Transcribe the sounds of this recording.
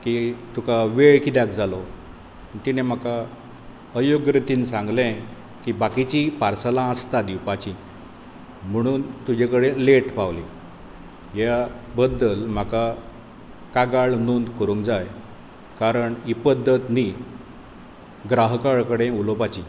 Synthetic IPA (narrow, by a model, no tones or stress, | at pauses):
kit̪ukaʋeɭkid̪jakd͡zalo | t̪inem̤aka | əjoɡɾət̪iːnsãŋɡlɛ̃ | kibakit͡ɕipaɾsəlãəst̪ad̪iwpat͡ɕi | m̤əɽ̃uːnt̪ud͡ʑekəɽeleʈpawli | jabəd̪ːəlm̤aka | kaɡaɭnond̪kəɾũŋkd͡zaj | kaɾəɳipəd̪ʱːət̪ni | ɡɾaɦkaɭkəɽẽulopat͡ɕi